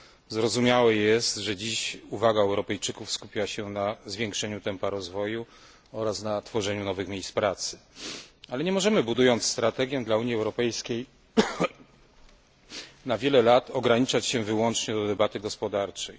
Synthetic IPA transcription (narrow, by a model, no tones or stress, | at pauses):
zɾɔzumʲjawɛjɛst̪ʐɛd͡ʑiɕuvaɡaɛwɾɔpɛjt͡ʂɘkufskupʲiwaɕɛnazvʲjeŋkʂɛɲut̪ɛmpaɾɔzvɔju | ɔɾasnat̪fɔʐɛɲunɔvɘxmʲjejspɾat̪sɘ̥ | alɛɲɛmɔʐɛmɘbud̪ujɔnt̪sst̪ɾat̪ɛɡʲjɛ̃d̪lauɲiɛwɾɔpɛjskʲej | navʲjɛlɛlat̪ɔɡɾaɲit͡ʂat͡ɕɕɛ̃vɘwɔnt͡ʂɲɛd̪ɔd̪ɛbat̪ɘɡɔspɔd̪aɾt͡ʂɛj